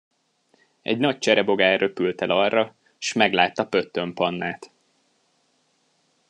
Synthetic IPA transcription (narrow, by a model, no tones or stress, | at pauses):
ɛ̰ɟnɒc̚t͡ʃɛɾɛbo̞ɡaːɾø̞pylt̪ɛlɒrːɒ | ʃmɛɡlaːt̪ːɒpø̞t̪ːø̞mpɒnːaːt̪